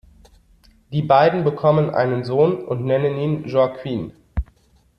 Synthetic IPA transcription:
d̥iːbaɪdn̩bəkʰɔmənʔa̰ɪnənzoːnʊntnɛnəniːnʒɔkʰwiːn

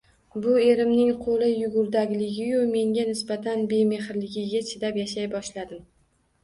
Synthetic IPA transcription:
bʊe̞ɾɪmnɪŋqʰolˠɪjʊɡʊɾd̪aɡʲlɪɡʲɪjʊme̞ŋɡʲanɪsbat̪ʰanbe̞me̞hɾlɪɡʲɪɡʲat͡ʃʰɪd̪apjaʃajbɒʃlad̪ɪm

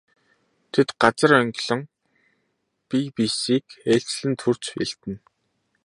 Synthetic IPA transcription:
t̪ʰet̪ɢat͡sə̆rœŋɡʲɮə̆ŋ | pipisiːkeɬt͡ɕɮɘ̆nt̪ʰur̥t͡sḛɬt̪ɘ̆n

